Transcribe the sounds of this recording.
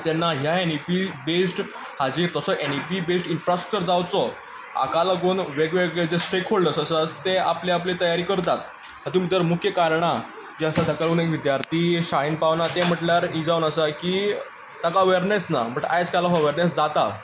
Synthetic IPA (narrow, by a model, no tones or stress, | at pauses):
t̪anːaɦjaenipibesʈ | had͡ʑiɾt̪əsɔʔenipibesʈinfɾasʈɾəkt͡ɕəɾd͡zawt͡sɔ | a̰kaləɡuːnʋeɡʋeɡɭed͡zesʈɾekʰːoɭləsəsəst̪ea̰pleaplet̪əjaɾiːkəɾt̪at̪̚ | ad̪umid̪əɾmukʰjəkaɾɳ̃a | d͡ʑeəsad̪əkalunekʋid̪jaɾt̪ʰiːɕaɦinpaʋnat̪em̤əʈljaɾid͡zawnəsakiː | t̪akaəʋeɾnesna̰bəʈa̰jt͡skalaɦəʋeɾnesd͡zat̪a